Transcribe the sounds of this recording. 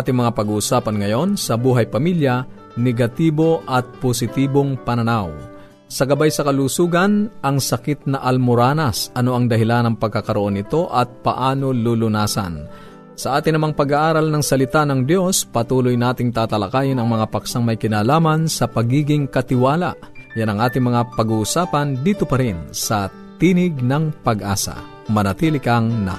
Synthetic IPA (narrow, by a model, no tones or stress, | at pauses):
aːt̪ɪŋmɐŋapɐɡuʔsaːpɐnŋɐjo̞nsɐbuːɦɐjpɐmiljɐ | nɛɡɐt̪iːbo̞ʔɐt̪̚posɪt̪iːboŋpɐnɐnaw | sɐɡɐbajsɐkɐlusuːɡɐnʔɐŋsɐkɪt̪̚nɐʔɐlmʊɾaːnɐsʔɐno̞ʔɐŋd̪ɐɦɪlanɐŋpɐɡ̚kːakɐɾoʔo̞nːɪt̪o̞ʔɐt̪̚pɐ̰ʔaːno̞lulʊnaːsɐ̰n | sɐʔaːt̪ɪnɐmɐŋpɐɡaʔaːɾɐlnɐŋsɐlɪt̪anɐŋd̪jo̞spɐt̪uːlʊjnaːt̪ɪŋt̪aːt̪ɐlɐkaːjɪnɐŋmɐŋapɐksaŋmɐjkɪnaːlaːmɐnsɐpɐɡiːɡɪŋkɐt̪ɪwaːla̰ | janɐŋʔaːt̪ɪŋmɐŋapɐɡʊʊsaːpɐnd̪iːt̪opɐɾɪnsɐ | t̪iːnɪɡ̚nɐŋpɐɡʔa̰ːsɐ̰ | mɐnɐt̪iːlɪkɐŋnɐ̰